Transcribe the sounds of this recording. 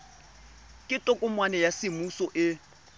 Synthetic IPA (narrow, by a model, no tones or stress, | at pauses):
kʼɪtʼɔkʼʊmwanɛjasɪmusɔʔɪ